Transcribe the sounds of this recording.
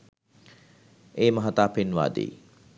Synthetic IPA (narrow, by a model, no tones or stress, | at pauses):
eːməɦat̪aːpenʋa̰ːd̪ḛj